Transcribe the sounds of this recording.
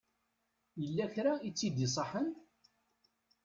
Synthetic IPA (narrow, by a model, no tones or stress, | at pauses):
jəlːæçɾait͡sːid̪is̬ˤəħən